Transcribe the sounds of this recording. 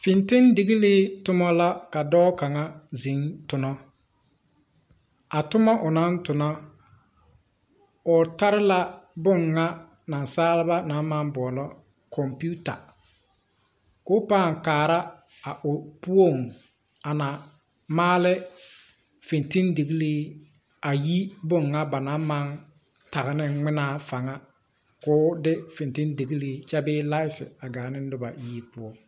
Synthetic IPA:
fi˨ntɪ˦ndi˨ɣi˦lɪ˦tʊ˦mɔ˦la˦ka˨dɔː˦ka˨ŋa˦zi˨˦ŋtʊ˨nɔ˦ | a˨tʊ˦ma˦ʔʊ˨na˦ntʊ˨nɔ˦ | ʊ˨ta˦ɾɪ˦la˦bʊ˦˨ŋːa˦ | na˨nsaː˦lɪ˦ba˦na˨˦ma˦nbɔ˨lɔ˦ | kʰɔ˨mpu˦ta̰˨ | kʊ˦paː˦˨ŋ˨kaː˨ɾa˦ | a˨ʔʊ˨pu˦o˦˨ŋ | a˨na˨ | maː˦lɪ˦ | fɪ˨nti˦ndi˨ɡi˦liː˦ | a˨ji˦bʊ˦ŋːa˦ba˨na˨˦ma˦n | ta˨ɣɪ˨nɪ˦ŋ͡mɪ˦naː˦fa˨ŋa˦ | kʊː˨˦dɪ˦fɪ˨nti˦ndi˨ɡi˦liː˦t͡ʃɛ˦bɪː˦la˦ɪ˦sɪ̰˨a˨ɡaː˨nɪ˦n˦dʊ˦ba̰˨jiː˦pʊ˦o˦˨ŋ

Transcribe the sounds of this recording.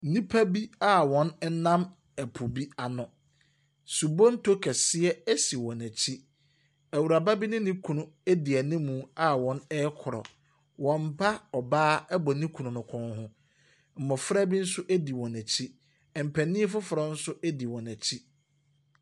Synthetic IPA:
n˦nĩ˦pʰæ˦bi˦a˦wɔ̃˨nɛ˦nã˦m | æ˨pʰʊ˨bi˦a˨nʊ̃˨ | su˨bo˦n̩˦tʰo˦kʰɛ˨sɪ˦ɛ˦æ˦si˨wɔ̃˨næ˨t͡ɕʰi˦ | æ˨wu˨ɾa˨ba˦bi˦nɪ̃˦nĩ˦kʰũ˨nʊ̃˨e˦di˨ɛ˨nɪ̃˦mũ˨a˦wɔ̃˨˦nɛ˦kʰɔ˨ɾɔ̰˨ | wɔ̃˨m̩˦bʰa˦ɔ˨baː˦ɛ˦bɔ˨nĩ˦kʰu˨nʊ̃˨nʊ̃˨kʰɔ̃˦nhʊ̃˦ | m̩˨mɔ̃˨fɾa˦bi˦n̩˦sʊ˦ʔæ˦di˨wɔ̃˨næ˨t͡ɕʰi˦ | ɛ˨m̩˨pʰæ˨nĩ˦ɛ˦fʊ˦fɾɔ˨n̩˦sʊ˦ʔɛ˦di˨wɔ̃˨næ˨t͡ɕʰi˦

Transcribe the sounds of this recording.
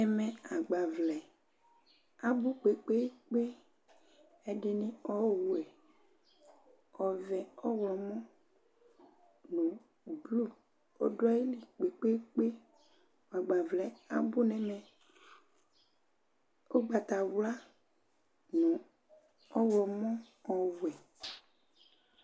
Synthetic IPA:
nɛ˨mɛ̃˨a˨ɡ͡ba˨vlɛ˨ | a˨bu˦k͡pe˨k͡pe˦k͡pe˦ | e˦ɖe˦nĩ˦ɔ˦wu˦ɛ˨ | ɔ˨vɛ˨ɔ˦wlɔ˨mɔ̃˦ | nũ˨ | blu˦ | o̰˦ɖɔ˦ji˦li˨k͡pe˨k͡pe˦k͡pe˦ | wa˨ɡ͡ba˨vlɛ˨˦a˨bu˦nɛ̃˨mɛ̃˨ | wo˦ɡ͡ba˨t̪a˨wu˦la˦ | nũ˨ | ɔ˦wlɔ˨mɔ̃˦ | ɔ˨wu˨ɛ˨

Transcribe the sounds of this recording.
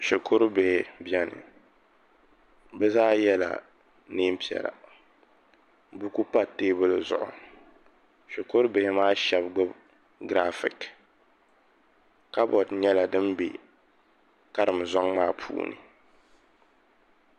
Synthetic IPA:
ʃɛ˨kʰʊ˦ɾbe˨hɪ˨bi˦ɛ˦nɨ̰˨ | bɛ˦zaː˦jɛ˦la̰˨ | niː˦m˦pi˨ɛ̰˨la̰˨ | bu˦ku˦pa˦teː˦bɨ˦lɨ˨zʊ̰˨ʔʊ̰˨ | ʃo˨kʊ˦ɾbe˨hɪ˦maː˦ʃɛ˨bɡ͡bʊ˦b | ɡɾa˦fɪ˨k | ka˦bɔ˨dɲɛ˦la˨dɨ˦mbḛ˨ | ka˦ɾɨ˨m˨zɔ˦ŋmaː˦pʰṵː˦nɨ̰˨

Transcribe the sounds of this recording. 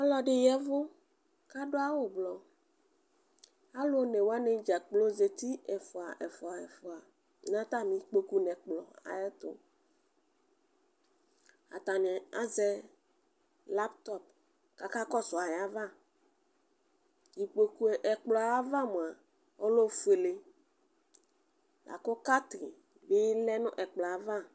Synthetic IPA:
a˦lɔ˦ɖe˨jɛ˦vo˦ | ka˦ɖo˦a˦wo˨blɔ˨ | a˦lo˦nɛ̃˨wo˦a˦nɛ̃˦d͡ʒa˨k͡plo˦ze˨t̪i˦ɛ˨fɔ˨a̰˨ʔɛ˨fɔ˨a˨ɛ˨fɔ˨a˨˦ | nã˦t̪a˦mĩ˨k͡po˨ku˦nɛ̃˨k͡plɔ˨a̰˨ɛ˦t̪o̰˦ | a̰˨t̪a˨nɛ̃˨a˦zɛ˦ | la˦pt̪ɔ˦p̚ | ka˨ka˦kɔ˦sʊ˨a˨ja˦va˦ | ji˨k͡po˨ku˦e˨ʔɛ˨k͡plɔ˨a˨a˦va˦mũ˨a˨ | o˦lo˦fu˨˦e˨le˨ | lʔa̰˨ko˦ka˦t̪ɾi˨ | be˦lɛ˦nʊ̃˦ʔɛ˨k͡plɔ˨a˨va˦

